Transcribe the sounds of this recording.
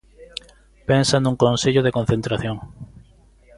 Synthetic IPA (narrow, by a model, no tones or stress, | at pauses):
pensand̪uŋkõnseʎoðekonθent̪ɾaθjõŋ